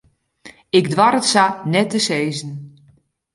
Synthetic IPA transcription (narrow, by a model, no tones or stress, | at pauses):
ɪɡdʋaɾətsanɛtəseːzn̩